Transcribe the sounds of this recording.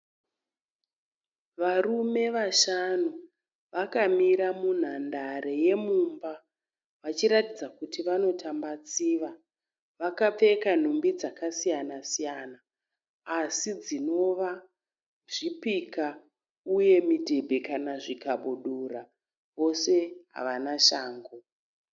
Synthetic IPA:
ʋarume̞ʋaʃanu | ʋakamiɾamun̤andaɾe̞je̞mumba | ʋat͡ʃiɾatid͡zakutiʋano̞tʰambat͡siːʋa | ʋakap͡fe̞kan̤umbid͡zakasijanasijanaː | sid͡zino̞ʋa | ʐipika | uje̞midʱe̞bʱe̞kanaʐikaɓuɗura | ʋo̞se̞ɦa̰ʋanaʃaːŋɡo

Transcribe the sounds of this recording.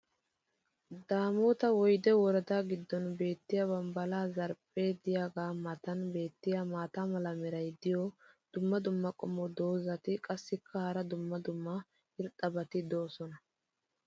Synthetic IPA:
d̪aːmoːt̪ɐwɔjd̪ɛwɔɾɐd̪aːɡɪd̪ːɔnbe̞ːt̪ːɪjɐbɐmbɐlaːzɐɾpʼːeːd̪ɪjaɡaːmɐt̪ɐnbe̞ːt̪ːɪjamaːt̪amɐlɐmɛɾɐjd̪ɪjɔ | d̪̥ʊmːɐd̪ʊmːɐkʼɔmɔd̪o̞ːzɐt̪ɪkʼɐsːɪkʰːɐhɐɾɐd̪ʊmːɐd̪ʊmːɐ | ɪɾt̪ʼːɐbɐt̪ɪd̪o̞ːsɔnɐ

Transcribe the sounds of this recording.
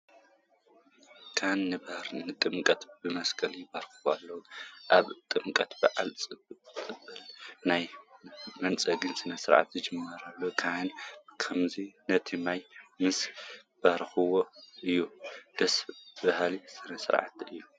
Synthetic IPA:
kʰanːɨbɐhɾnɨt̪ʼɨmkʼɐt̪bɨmɐskʰɐlɪbɐɾxɨwalːɐwuʔaβt̪ʼɨmkʼɐt̪bɐʕalt͡sʼɨbt͡sʼɨbːɐlnaj | mɐnt͡sʼɐɡɨnsɨnɐsɨɾʕa̰t̪zɨd͡ʒɨmːɐɾalːokʰahɨnkʰɐmzinɐt̪ʰimajmɨsb̥ɐɾxɨwoʔɨjːud̪̥ɐsbɐhlisɨnɐsɨ̰ɾʕa̰t̪ɨjːu

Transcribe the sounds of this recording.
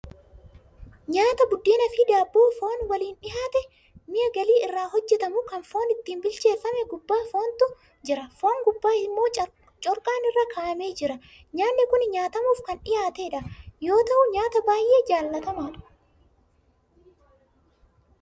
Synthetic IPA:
ɲaːt̪ɐbʊd̪ːiːnɐfɪd̪aːbːoːfo̞ːnwɐliːnᶑɪhaːt̪ɛ | mɪjɐɡɐliːɪrːaːɦɔd͡ʒːɛt̪ɐmʊkɐnfo̞ːnɪt̪ːiːnbɪlt͡ʃe̞ːfːɐmɛɡʊbːaːfo̞ːnt̪ʊ | d͡ʒɪɾɐfo̞ːŋɡʊbːaːɪmːo̞ː | t͡ʃʼɔɾkʼaːnɪrːakʰaːʔɐme̞ːd͡ʒɪɾɐ | ɲaːnːɪkʊnɲaːt̪ɐmuːfkɐnᶑɪjaːt̪eᶑɐjo̞ːt̪ɐʔʊɲaːt̪ɐbaːjʔe̞ːd͡ʒaːlːɐt̪ɐmaːᶑɐ̥

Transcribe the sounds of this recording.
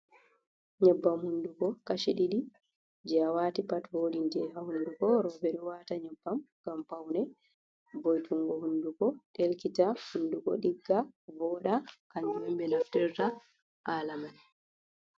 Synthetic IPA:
ɲɛbːamhundukɔkaʃiɗiɗi | d͡ʒɛawaːtipatwoɗindɛɦahundukɔɾɔbɛɾɛwataɲɛbːam | ɡ̥ampawnɛ | bɔjtʰuŋɡɔhundukɔɗelkitahundukɔ̰ɗiɡːavɔɗakaɲd͡ʒumɔmbɛnaftɛɾta | ʔaːlaman

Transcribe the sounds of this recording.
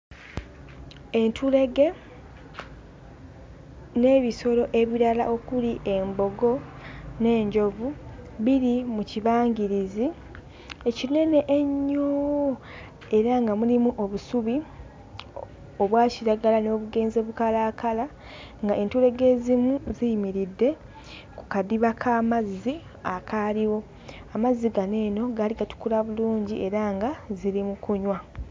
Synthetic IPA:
e̞ntʰule̞ɡe̞ | ne̞ːβiso̞ɾo̞ʔe̞βiɾala̰ʔo̞kuliʔe̞mbo̞ɡo̞ne̞ːɲɟo̞vuβiɾimuciβaːɲɟiɾizi | e̞cine̞ne̞ʔeɲːoː | e̞ɾaŋɡamulimuʔo̞βusuβi | oβwaːciɾaɡalano̞ːβuɡe̞ːnzeβukalaːkala | ŋɡae̞ntule̞ɡe̞ːzimuzijimiɾidːe̞ | ku̥kadiβakʰaːmazːi | akaliwo̞ | amazːiɡane̞ːno̞ɡaːliɡatu̥kulaβuluːɲɟiʔe̞ɾaŋɡaziɾimukuɲwa

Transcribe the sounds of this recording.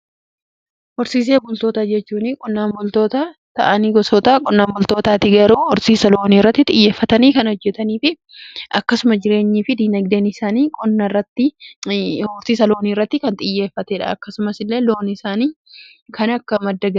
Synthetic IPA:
hɔɾsiːs̬e̞ːbʊlt̪oːt̪ɐd͡ʒɛt͡ʃːuːnɪkʼɔnːaːmbʊlt̪oːt̪ɐt̪ɐ̰ʔɐniːɡɔsɔt̪ɐkʼɔnːaːmbʊlt̪oːt̪aːt̪ɪɡɐɾuːɔɾsiːsɐlo̞ːniːrːɐt̪ːɪt̪ʼɪjːe̞ːfːɐt̪ɐniːkɐnɔd͡ʒːɛt̪ɐniːfɪ | ʔɐkːɐsʊmɐd͡ʒɪɾe̞ːɲːiːfɪd̪iːnɐɡd̪eːnɪsaːniːkʼɔnːɐrːɐt̪ːɪ | ɔɾsiːsɐloːniːrːɐt̪ːɪkɐnt̪ʼɪjːe̞ːfːɐt̪ɛᶑɐ̰ɐkːɐsʊmɐsɪlːe̞ːlo̞ːnɪsaːniː | kʰɐnɐkːɐmɐd̪ːɐɡɐ

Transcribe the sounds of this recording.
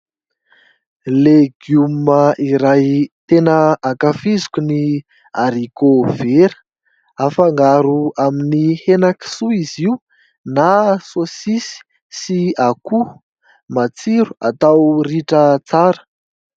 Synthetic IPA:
leɡumaʔiɾajt̪enəakafizu̥kuni | aɾikoveɾə̥ | afaŋɡaɾuaminihenaki̥suizi | nasosisi̥ | siaku | mat͡siɾuat̪awriʈ͡ʂət͡saɾə̥

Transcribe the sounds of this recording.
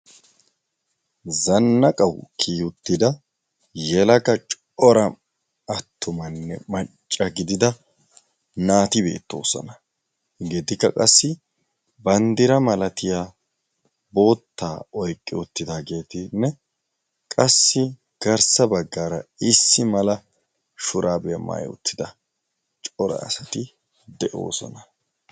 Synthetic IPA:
zɐnːɐkʼɐwkʰiːhʊt̪ːɪd̪ɐ | jɛlɐkɐt͡ʃʼ | ɔɾɐ | ɐt̪ʰːʊmɐnːɛ̰mɐt͡ʃʼːɐɡɪd̪ɪd̪ɐ | naːt̪ɪbe̞̰ːt̪ːo̞̰ːsɐ̰nɐ | ɡɛd̪ɪkːɐ̰kʼɐsːɪ | bɐnd̪ɪɾɐmɐlɐt̪ɪjaː | bo̞ːt̪ːaːɔjkʼːɪ̰ʊt̪ːɪd̪aːɡe̞ːt̪ɪnːɛ | kʼɐsːɪ | ɡ̥ɐɾsɐbɐɡːaːɾɐ̰ɪsːɪmɐlɐ | ʃʊɾʔaːbɛjɐ̰ma̰ːjʊ̰t̪ʰːɪd̪ɐ | t͡ʃʼɔɾɐ̰ːsɐt̪ɪ | d̪ɛʔo̞̰ːsɔ̰nɐ

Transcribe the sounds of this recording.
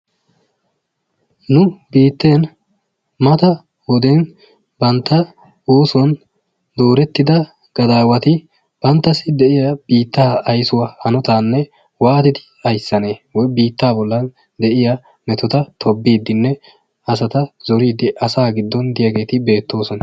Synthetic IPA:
nʊbiːt̪ːeːn | mɐt̪ɐ | wɔd̪en | bɐnt̪ːɐ | oːsɔn | d̪o̞ːɾɛt̪ːɪd̪ɐ | ɡ̥ɐd̪aːwɐt̪ɪ | b̥ɐnt̪ːɐsɪd̪ɛʔɪjɐb̥iːt̪ːaːɐjsʊwahɐnɔt̪aːnːɛ | waːt̪ɪd̪ɪ | ɐjsːɐne̞ːwɔjbiːt̪ːaːbɔlːɐn | d̪ɛʔɪjɐ | mɛt̪ɔt̪ɐt̪ʰɔbːiːd̪ːɪnːɛ | ɐs̬ɐt̪ɐzɔɾiːd̪ːɪʔɐsaːɡɪd̪ːɔnd̪ɪjɐɡe̞ːt̪ɪbe̞ːt̪ːo̞ːsɔn

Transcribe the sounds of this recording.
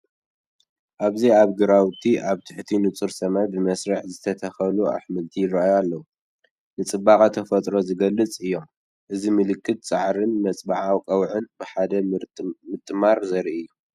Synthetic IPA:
ʔaβziaβɡɨɾawt̪ʰiʔaβt̪ʰɨ̥ħt̪ʰinɨt͡sʼuɾsɐmajbɨmɐsɾɐħzɨt̪ʰɐt̪ʰɐxɐlua̰ħmɨlt̪ʰijɪraajalːɐwu | nɨt͡sʼɨbːakʼɐt̪ʰɐfɐt̪ʼɾo̞zɨɡɐlːɨt͡sʼɨjːo̞m | ʔɨzimɨlɨkːɨt̪̚t͡sʼaʕɾɨnmɐt͡sʼbaʕawkʼɐwʕɨnbɨħad̪ɐmɨt̪ʼːɨmaɾzɐɾiɨjːu

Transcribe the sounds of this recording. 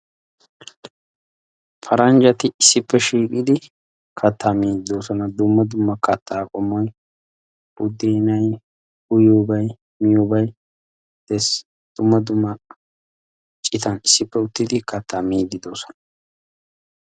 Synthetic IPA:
pʰɐɾɐnd͡ʒɐt̪ɪɪsːɪpːɛʃiːkʼɪd̪ɪ | kʰɐt̪ʰːɐmiːd̪ɪd̪o̞ːsɔnɐd̪ʊmːɐd̪ʊmːɐkɐt̪ʰːaːkʼɔmːɔj | ʊd̪ːiːnɐj | hʊjuːbɐj | mɪjubɐj | d̪̥ɛs | d̪̥ʊmːɐd̪ʊmːɐ | t͡ʃʼɪt̪ɐnɪsːɪpːɛʊt̪ːɪd̪ɪkʰɐt̪ʰːɐmiːd̪ɪd̪o̞ːsɔ̥nɐ̥

